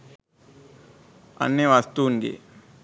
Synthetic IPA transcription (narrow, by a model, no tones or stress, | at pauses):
ɐ̰nːjeʋast̪uːŋɡḛ